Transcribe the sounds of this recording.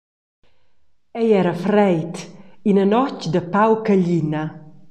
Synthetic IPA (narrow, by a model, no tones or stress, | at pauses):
ɛjɛɾafɾɛjt̪inanɔt͡ʃd̪əpawkəʎinɐ